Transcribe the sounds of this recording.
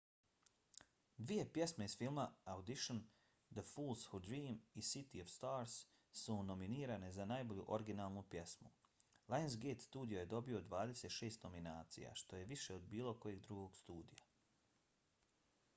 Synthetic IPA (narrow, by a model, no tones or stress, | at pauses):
d̪ʋije̞pje̞smeizfilˠmaaud̪iʃon | d̪əfuːlˠshud̪ɾiːmisit̪ioʋst̪aːɾs | suno̞miniːɾane̞zanaːjbo̞ʎuʔo̞ɾiɡinaːlˠnupje̞smṵlˠajnzɡeːt̪st̪uːd̪ijo̞je̞d̪o̞bio̞d̪ʋaːd̪e̞seːt̪ʃe̞ːst̪no̞minaːt̪sḭja̰ʃt̪o̞je̞ʋiʃe̞od̪biːlo̞ko̞jeɡd̪ɾuɡoɡ̥st̪uːd̪ija